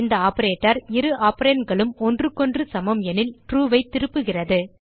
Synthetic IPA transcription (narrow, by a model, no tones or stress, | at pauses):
nd̪ɐaːpɐɾeːʈːɐɾɪɾɯʔaːpːɐɾeːnɡɐɭɯmɔndrɯkːɔndrɯsɐmɐmɛnɪlʈɾuːʋɐɪt̪ːɪɾɯpːɯɣɪrɐðɯ